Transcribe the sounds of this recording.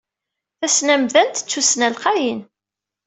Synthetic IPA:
θæsnæmðænt̪ə̥t͡sːusnælqɑjin

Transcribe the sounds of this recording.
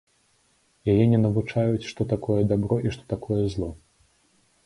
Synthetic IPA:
jajɛnʲɛnɐvut͡ʂajut͡sʲʂt̪ɔt̪akɔjɛd̪abɾɔʔiʂt̪ɔ̥t̪akʰɔjɛzlˠɔ

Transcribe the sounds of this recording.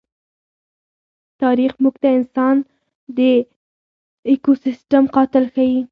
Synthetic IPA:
t̪ɑɾixmuɡt̪aɪnsɑn | d̪ə | ekosɪsʈamqɑt̪ɪlxawi

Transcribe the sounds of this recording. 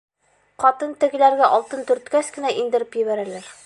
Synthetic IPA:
qɒt̪ɤnt̪ɘ̆ɡɘ̆læɾɡæʔɒlˠt̪ɤnt̪ɵ̆ɾt̪kæskɘ̆næʔind̪ɘ̆ɾɘpjɘ̆βæɾælæɾ

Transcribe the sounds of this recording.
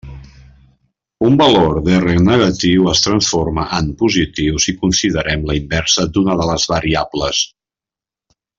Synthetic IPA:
umbəloɾðɛreknəɣət̪iwəst̪ɾənsfoɾməʔəmpuzit̪iwzikunsiðəɾɛmləimbɛɾsəd̪unəðələzβəɾiabləs

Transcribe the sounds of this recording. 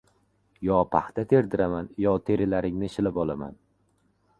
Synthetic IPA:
jɒpʰaχt̪ʰat̪ʰe̞ɾd̪ɪɾamanjɒt̪ʰe̞ɾɪlaɾɪŋnɪʃɪlɪpɒlˠama̰n

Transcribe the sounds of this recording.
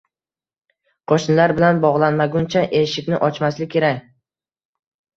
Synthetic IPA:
qʰɒʃnɪlaɾbɪlanbɒʁlˠanmaɡʲʊnt͡ʃʰaʔeʃɪkʲnɪʔɒt͡ʃmaslɪkʲʰːe̞ɾakʲ

